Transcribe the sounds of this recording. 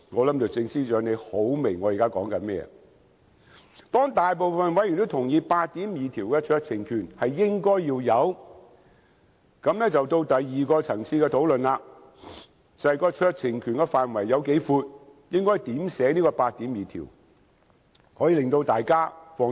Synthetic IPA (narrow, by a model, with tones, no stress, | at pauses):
ŋɔː˨˧lɐ˨˥mtɔ˨˧t͡sɪ˧ŋsiː˥t͡ʃœː˨˧˥ŋne˨˧jho˨˥wme˨˩ŋːɔː˨˧jiː˨kaː˥kɔː˨˥ŋkɐ˧mɛ̰ː˥ | t̪ɔː˥ŋt̪aː˨jp̬o˨wfɐ˨nwɐ˨˥jy˨˩t̪o˥t̪ʰʊ˨˩ŋjiː˨˧paː˧t̚t̪iː˨˥mjiː˨t̪ʰiː˨˩wkɛː˧t͡ʃʰœː˧k̚t͡sʰɪ˨˩ŋkʰyː˨˩nhɐ˨jːɪ˥ŋkɔː˥jjiː˧wjɐ˨˧w | kɐ˨˥mnɛː˥t͡sɐ˨wt̪o˧wt̪ɐ˨jːiː˨kɔː˧t͡sʰɐ˨˩ŋsʰiː˧kɛ˧t̪ʰo˨˥wlɵ˨nlaː˧ | t͡sɐ˨hɐ˨jkɔː˧t͡ʃʰœː˧k̚t͡sʰɪ˨˩ŋkʰyː˨nkɛ˧faː˨nwɐ˨˩jːɐ˨˧wke˨˥jfuː˧t̚jɪ˥ŋkɔː˥jt̪iː˨˥msɛː˨˥niː˥kɔː˧paː˧t̚t̪ːiː˨˥mjiː˨t̪ʰḭː˨˩w | hɔː˨˥jiː˧lɪ˨ŋt̪o˧wt̪aː˨jkaː˥fɔː˧